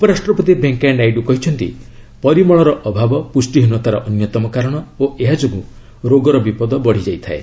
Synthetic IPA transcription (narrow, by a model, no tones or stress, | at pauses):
upɔɾasʈɾɔpɔt̪ibeŋkanajɖukɔɦit͡ʃʰɔnt̪ḭ | pɔɾimɔɭ̃ɔɾɔʔɔbʱabɔpusʈiɦunuwɔt̪aɾɔʔɔnjɔt̪ɔmɔkaɾɔɽ̃ɔoʔeɦad͡ʒoɡu | ɾoɡɔɾɔbipɔd̪ɔbɔɽ̤id͡ʒajt̪ʰae